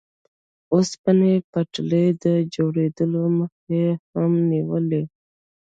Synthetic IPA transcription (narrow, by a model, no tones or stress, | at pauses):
ospənepaʈləjd̪əd͡ʒoɽed̪əloməxehamniwəle